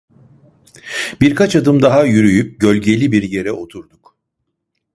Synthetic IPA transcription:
b̥iɾkʰat͡ʃad̪ɯmd̪aɦajyɾyjyp̚ɟø̞lʲɟe̞lʲibiɾje̞ɾɛʔo̞t̪ʰuɾd̪uk

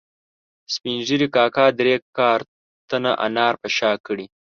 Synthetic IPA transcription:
spinʒiɾikɑːkɑːd̪ɾekɑːɾ | t̪anaʔa̰nɑːɾpəʃɑːkəɽi

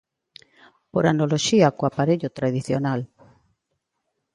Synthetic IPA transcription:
poɾanoloʃiakoapaɾeʎʊt̪ɾað̞iθjonal

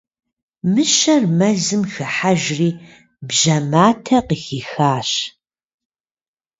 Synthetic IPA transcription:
mɨɕɐrmɐzɨmxɨħaʒriː | bʑɐmaːtʰɐqixiːxaːɕ

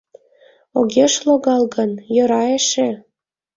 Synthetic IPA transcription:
oɣʲeʃloɣɑlˠɣə̆njɤ̆ɾɑeʃĕ

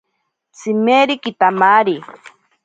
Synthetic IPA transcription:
simeɾikit̪amaɾi

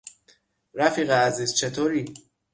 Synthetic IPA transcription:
ɾæfiːɣɛæziːz̥t͡ʃʰe̞t̪ʰoːɾiː

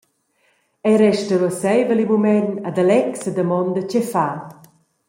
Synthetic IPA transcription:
ɛjɾɛʃtəɾɔsɛjvəlimumɛnad̪alɛksəd̪əmɔnd̪ət͡ɕɛfaː

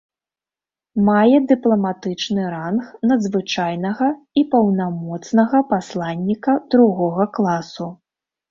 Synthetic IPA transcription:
majɛd̪ɨplˠɐmat̪ɨt͡ʂnɨɾanxnɐd̪zvɨt͡ʂajnɐɣɐ | ipɐwnamɔt̪snɐɣɐpaslˠanʲːikɐd̪ɾuɣɔɣɐklˠasu

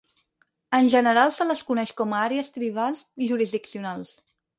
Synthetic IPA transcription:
ənʲʒənəɾalˠsələskunɛʃkɔməaɾeəst̪ɾiβ̞alˠsiʒuɾizðiksiunalˠs

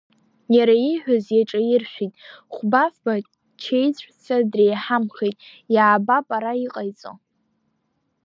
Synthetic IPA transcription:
jaɾaiħʷᶣazjaʈ͡ʂʼajɪrʃʷᶣitʼχʷbafba | t͡ʃʰejt͡sʷʼt͡sʰadrejħamχejtʼ | jaːbapʼaɾaiqʼajt͡sʼo̰

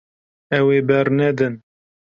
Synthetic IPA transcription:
ɛweːbɛɾnɛd̪ɨn

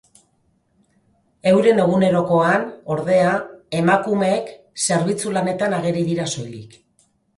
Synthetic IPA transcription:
e̞wɾe̞ne̞ɣ̞une̞ɾo̞ko̞ano̞ɾðe̞aemakume̞k | se̞ɾβ̞it͡sulane̞t̪anaɣe̞ɾiðiɾaso̞jlḭk

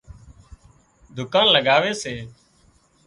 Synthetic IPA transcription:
d̪ʱʊkãːnləɡaːʋeːseː

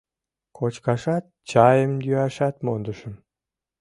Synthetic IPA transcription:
kot͡ɕkɑʃɑt̪̚t͡ɕɑjəmjyɑʃɑt̪mond̪əʃəm

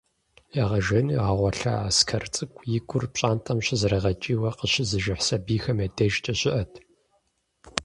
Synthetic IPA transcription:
jaʁɐʒɐniʁɐʁʷɔɬa̰askʰɐrt͡sʼɨkʷʼjɪɡʷʼʊrpɕʼaːntʰɐmɕɪzɨɾɐʁɐt͡ʃʼiːwɐqəɕɪzɨʒɪħsɐbiːxɐmjɐdɐʒt͡ʃʼɐɕʼɪʔɐtʰ

